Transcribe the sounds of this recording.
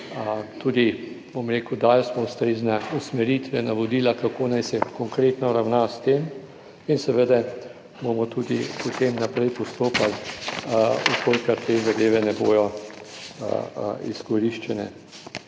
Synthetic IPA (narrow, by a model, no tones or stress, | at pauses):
t̪uːd̪i | bomɾeːkud̪ajsmɔʊst̪ɾeːznausmɛɾit̪ʋɛnaʋɔd̪iːlakakoːnajsɛkɔŋkɾeːt̪nɔɾawnast̪eːm | insɛʋəd̪a | bomɔt̪uːd̪ḭpɔt̪emnapɾɛjpɔst̪oːpal | ukʰolkaɾt̪eːzad̪eːʋɛnɛboːjɔ̰ | iskɔɾiʃt͡ʃɛnɛ̰